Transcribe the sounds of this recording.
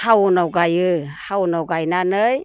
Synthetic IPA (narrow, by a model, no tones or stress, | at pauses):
hawnɔwɡajɯhawnɔwɡajnanɯj